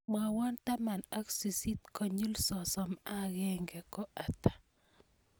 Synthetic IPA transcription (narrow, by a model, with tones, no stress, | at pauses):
ma˨wɔ˦nta˦ma˨na˦ksi˨si˦tkɔ˨ɲu˦lsɔ˨sɔ˨ma˦ɣɛ˦ŋɡɛ˨kɔ˦ʔa˨tḁ˨